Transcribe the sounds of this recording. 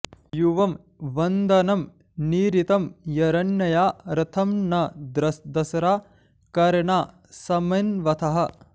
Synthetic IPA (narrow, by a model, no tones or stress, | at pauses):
juʋɐm | ʋɐnd̪ɐnɐm | niːɾit̪ɐmjɐɾɐnjɐjaːɾɐt̪ʰɐmnɐd̪ɾɐsd̪ɐsɐɾaː | kɐɾɐɳaː | sɐmɐnʋɐt̪ʰɐɦɐ